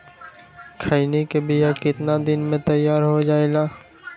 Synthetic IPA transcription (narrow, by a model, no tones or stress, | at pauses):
kʰainikebɪjakɪt̪nad̪ɪnmẽt̪ɐjːaːɾɦod͡ʒaːeɡaː